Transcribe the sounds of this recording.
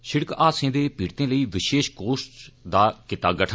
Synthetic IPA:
ʃɪɽkaːsẽːd̪eːpiːɾt̪ẽːləiːʋɪʃeːʃkoːsd̪aːkɪt̪aːɡəʈʰə

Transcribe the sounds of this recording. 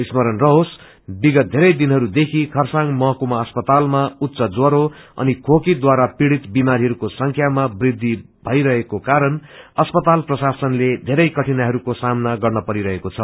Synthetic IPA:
ismʌɾʌnrʌɦos | biɡʌt̪̚d̪ʱeɾʌjd̪inɦʌɾud̪ekʰikʰʌrsaŋmʌɦʌkumaʌspʌt̪almaut̪ːsʌd͡zwoɾoʌ̰nikʰokid̪waɾapiɽit̪bimaɾiɦʌɾukosʌŋkʰjamabrid̪ʱːi | bʱʌjɾʌɦekokaɾʌnʌspʌt̪alprʌsasʌnled̪ʱeɾʌjkʌʈʰinaɦʌɾukosamnaɡʌrnʌpʌɾiɾʌɦekot͡sʰʌ

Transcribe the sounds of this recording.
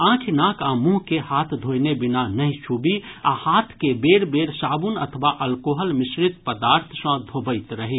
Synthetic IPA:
ãːkʰinãːkʰãmũɦkehaːt̪ʰd̪ʱoːjnebɪnanəɦĩt͡ʃʰubiaːhaːt̪ʰkebeːɾbeːɾsaːbunə̰t̪ʰəʋaʔɐlkoːɦəlmɪsɾɪt̪pəd̪aːɾt̪ʰsə̃d̪ʱobəɪt̪ɾəɦi

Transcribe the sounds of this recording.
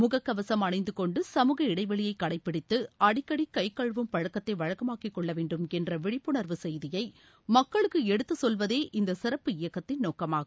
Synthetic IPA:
mʊɣɐkːɐʋɐsɐmɐɳɐɪnd̪ɯkɔɳɖɯsɐmuːɣɐɪɽɐɪʋɐɭɪjɐɪkːɐɽɐɪpːɪɽɪt̪ːɯɐɽɪkːɐɽikːɐɪkːɐɻʋɯmpɐɻɐkːɐt̪ːɐɪʋɐɻɐkɐmaːkɪkːɔɭːɐʋeːɳɖɯmɛndrɐʋɪɻɪpːɯɳɐɾʋɯsɛjðɪjɐɪ | mɐkːɐɭɯkːɯɛɽɯt̪ːɯsɔlʋɐðeːʔɪnd̪ɐsɪɾɐpːɯɪjɐkːɐt̪ːɪnnoːkɐmaːɣɯ

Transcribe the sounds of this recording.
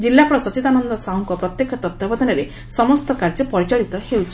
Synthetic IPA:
d͡ʒilːapɔɽɔsɔt͡ʃit̪anɔnd̪ɔsauŋkɔpɾɔt̪jekʰɔt̪ɔt̪jɔbɔd̪ʱɔnɔɾe | sɔmɔst̪ɔkaɾd͡ʒɔpɔɾit͡ʃaɭit̪ɔhewt͡ʃʰi̥

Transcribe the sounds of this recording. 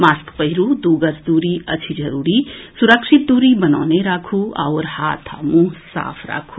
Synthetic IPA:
maskpəɦiɾud̪uɡəsd̪uɾiɐt͡ʃʰid͡ʒəɾuːɾisuɾəkʂit̪̚d̪uɾibənawneɾakʰua̰wɾhat̪ʰa̰mũsa̰pʰɾa̰kʰu

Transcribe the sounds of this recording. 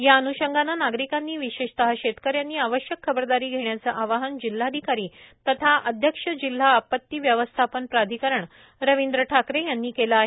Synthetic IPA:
jaənuɕəŋɡʱananaɡɾikanːiːʋiɕeɕt̪əɦaɕet̪kəɾjanːiːaʋəɕjəkʰːəbəɾd̪aɾiːɡʱeɳjat͡səʔaʋaɦənd͡ʑil̤ːad̪ʱikaɾiːt̪ət̪ʰaʔəd̪ʱjəkʂəd͡ʑil̤ːaːpət̪ːiːʋjəʋəst̪ʰapənpɾad̪ʱikəɾəɳ | ɾəʋind̪ɾəʈʰakɾejanːiːkelaaɦe

